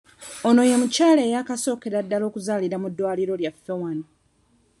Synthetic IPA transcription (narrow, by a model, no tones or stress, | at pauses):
o̞no̞je̞mucaːlejakaso̞ːke̞ɾadːalo̞ːkuzaːliɾamudːwaːliɾo̞ljafːe̞wano